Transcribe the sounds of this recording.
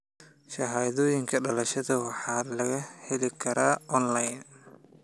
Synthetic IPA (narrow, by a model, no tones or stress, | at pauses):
ʃɑɦaːðɔːjɪŋkʰɐɖɐlɐʃɐðɐwɑħɑːlɐɣɐhɛlɪkʰɐɾaːʔɔnlajn